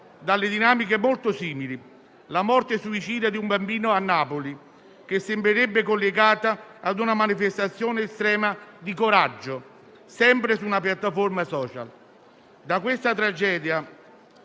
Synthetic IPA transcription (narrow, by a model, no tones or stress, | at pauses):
d̪alːed̪inaːmikemolt̪ʊsiːmili | lamɔrt̪esuit͡ʃiːd̪jad̪iumbambiːnʊanːaːpoli | k̟esːɪmbɾeɾebːekolːeɡaːt̪aːd̪unamanifest̪at̪sːjoːneːst̪ɾɛːmad̪ikoɾad͡ʒːʊ | sɛmpɾɪsunapjat̪ːaformasɔːt͡ʃa̰l | d̪akwɪst̪at̪ɾad͡ʒɛːd̪ja